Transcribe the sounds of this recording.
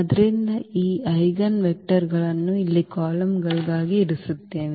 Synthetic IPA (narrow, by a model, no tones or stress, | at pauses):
ɐd̪ɐɾind̪ɐʔiːʔɐjɡɐnʋɛk̚ʈɐɾɡɐɭɐnːuilːikaːlɐmɡɐɭɡ̪aːɡiːɽusut̪ːeːʋi